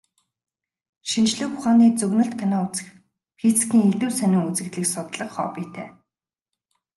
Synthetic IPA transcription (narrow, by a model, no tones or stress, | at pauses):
ʃint͡ɕɮɘ̆xʊχaːniːt͡sɵɣnə̆ɬt̪kʰanaːʊt͡sə̥̆x | pʰit͡skʲiːŋeɮuːsænʲʊ̆ːŋut͡sɘ̆ɣt̪ɮɘ̆ksʊt̪ɮə̆qχɔ̰ːpiːt̪ʰḛː